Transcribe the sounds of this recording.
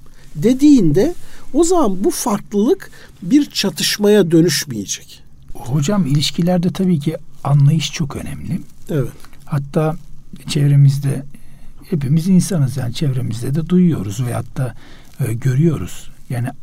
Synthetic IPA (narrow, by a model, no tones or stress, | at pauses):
d̪e̞d̪iːnd̪ɛo̞zamanbufaɾklˠɯlˠɯk | biɾt͡ʃʰat̪ʰɯʃmajad̪ø̞nyʃmijed͡ʒɛ̥c | ho̞d͡ʒamilʲiʃcʰilʲæɾd̪ɛt̪ʰabiːcʰianlˠajɯʃt͡ʃʰo̞kø̞̰nɛ̰mlʲɪevɛt̪hat̪ʰːaːt͡ʃʰevɾe̞mizd̪ɛhepimizinsanɯzjaːnit͡ʃʰevɾemizd̪ɛd̪ɛd̪ujujo̞̰ɾuzvɛha̰t̪ʰːaː | ɟøɾyjo̞ɾṵz̥jaːni